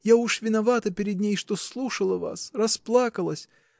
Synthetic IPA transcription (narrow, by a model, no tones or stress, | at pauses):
jauʂvʲɪnɐvat̪əpʲɪɾʲɪd̪ʲnʲejʂt̪oslˠuʂəlˠəva̰srɐsplˠakəlˠəsʲ